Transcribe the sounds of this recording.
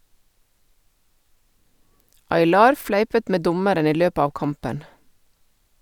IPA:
ɑɪˈlɑːɾ ˈflæɪpət ˈmeː ˈdʊməɾən ˈiː ˈløːpə ˈɑːʋ ˈkɑmpən

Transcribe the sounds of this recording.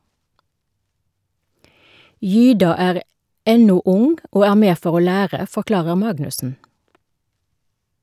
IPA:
ˈjyːdɑ ˈæːʁ ˈɛnʊ ˈʊŋ ˈoː ˈæː ˈmeː ˈfɔʁ ˈoː ˈlæːʁə fɔˈklɑːʁəʁ ˈmɑɡnʉsn̩

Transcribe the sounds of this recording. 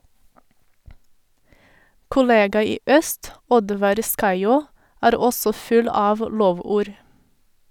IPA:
kʊˈleːɡɑ ˈiː ˈœst ˈɔdʋɑɾ ˈskɑɪˌoː ˈæːɾ ˈɔsɔ ˈfʉl ˈɑːʋ ˈloːˌʋuːɾ

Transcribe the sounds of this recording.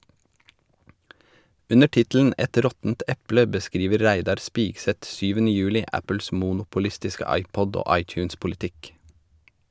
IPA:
ˈʉnə ˈʈɪtl̩n̩ ˈɛt ˈɾɔtn̩t ˈɛplə bəˈskɾiːʋəɾ ˈɾæɪdɑɾ ˈspɪksɛt ˈsyːʋənə ˈjʉːlɪ ˈæpəls ˈmuːnʊpʊˌlɪstɪskə ˈɑɪˌpɔd ˈoː ˈɑɪˌc͡çʉːnspʊlɪˌtɪk

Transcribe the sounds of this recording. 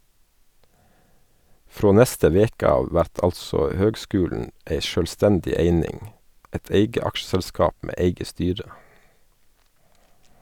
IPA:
ˈfɾoː ˈnɛstə ˈʋeːkə ˈɑːʋ ˈʋæɾt ˈɑlsɔ ˈhøːɡˌskʉːlɳ̩ ˈʔeɪ ˈʃøːlˌstɛndɪ ˈeɪnɪŋ ˈɛt ˈeɪɡə ˈɑkʃsɛlˌskɑːp ˈmeː ˈæɪɡə ˈstyːɾə

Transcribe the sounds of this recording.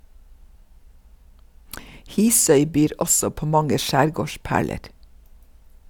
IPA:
ˈhiːsœʏ ˈbyːɾ ˈʔɔsɔ ˈpoː ˈmɑŋə ˈʃæːɾˌɡoːˌʃpæːɭəɾ

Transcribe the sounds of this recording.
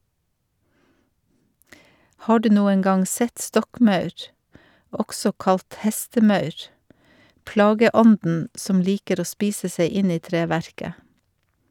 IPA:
ˈhɑː ˈɖʉː ˈnuːən ˈɡɑŋ ˈsɛt ˈstɔkˌmɑʉɾ ˈɔɡsɔ ˈkɑlt ˈhɛstəˌmɑʉɾ ˈplɑːɡəˌɔndn̩ ˈsɔm ˈliːkəɾ ˈoː ˈspiːsə ˈseɪ ˈɪn ˈiː ˈtɾeːˌʋæɾkə

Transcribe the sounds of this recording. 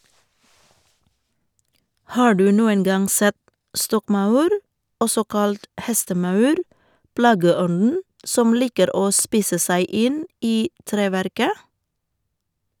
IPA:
ˈhɑː ˈɖʉː ˈnuːəŋ ˈɡɑŋ ˈsɛt ˈstɔkˌmɑʉɾ ˈɔsɔ ˈkɑlt ˈhɛstəˌmɑʉɾ ˈplɑːɡəˌɔnn̩ ˈsɔm ˈliːkəɾ ˈoː ˈspiːsə ˈsæɪ ˈɪn ˈiː ˈtɾeːˌʋæɾkə

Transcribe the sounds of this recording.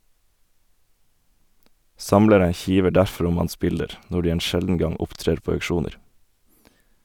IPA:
ˈsɑmləɾə ˈçiːʋə ˈɖæɾfɾ ˈʊm ˈɑns ˈbɪldəɾ ˈnɔ ˈɖiː ˈeːn ˈʃɛldn̩ ˈɡɑŋ ˈʊpˌtɾeːɾ ˈpoː ɑʉkˈʃuːnəɾ

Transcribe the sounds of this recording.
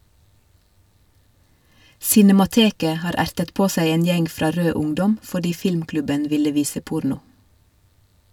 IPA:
sɪnɛmɑˈteːkə ˈhɑːɾ ˈæɾtət ˈpoː ˈsæɪ ˈeːn ˈjɛŋ ˈfɾɑː ˈɾøː ˈʊŋdɔm fɔˈɖiː ˈfɪlmˌklʉbən ˈʋɪlə ˈʋiːsə ˈpʊɾnʊ

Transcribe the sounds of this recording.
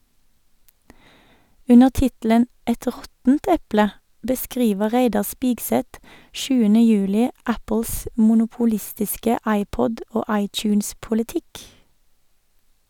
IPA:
ˈʉnəʁ ˈtɪtl̩ən ˈɛt ˈʁɔtn̩t ˈɛplə bəˈskʁiːʋə ˈʁeɪdɑ ˈspɪkˌsɛt ˈʃʉːənə ˈjʉːlɪ ˈæpəls mʊnʊpʊˈlɪstɪskə ˈɑɪˌpɔd ˈoː ˈɑɪˌtjʉːnspʊlɪˌtɪk

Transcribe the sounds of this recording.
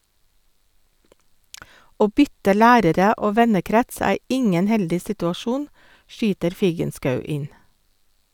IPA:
ˈoː ˈbʏtə ˈlæːɾəɾə ˈoː ˈʋɛnəˌkɾɛts ˈæː ˈɪŋən ˈhɛldɪ sɪtʉɑˈʃuːn ˈʃyːtəɾ ˈfiːɡənˌskɑʉ ˈɪn

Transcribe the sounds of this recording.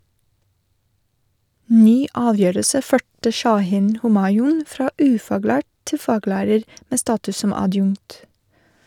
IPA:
ˈnyː ˈɑːˌʋjøːɾəsə ˈføːʈə ʃɑˈhiːn ˈhoːmɑɪʊn ˈfɾɑː ˈʉːfɑːˌɡlæːʈ ˈtɪ ˈfɑːɡlæːɾəɾ ˈmeː ˈstɑːtʉs ˈsɔm ɑˈdjʊŋt

